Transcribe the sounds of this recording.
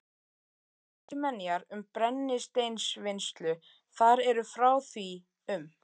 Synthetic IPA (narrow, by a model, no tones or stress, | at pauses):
t̪ʏmɛnːjaɾʏmpɾɛnːɪst̪ejnsvɪnst̪lʏ | θaɾɛɾʏfɾaːwθi | ʏm